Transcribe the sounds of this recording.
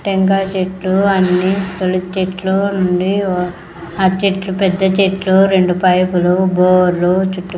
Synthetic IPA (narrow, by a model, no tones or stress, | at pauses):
ʈeŋɡaːt͡ʃeʈluɐnːit̪olit͡ʃeʈlonuɳɖi | aːt͡ʃeʈlupɛd̪ːɐt͡ʃeʈluɾeɳɖupɐjpuluboːɾlut͡ʃuʈːu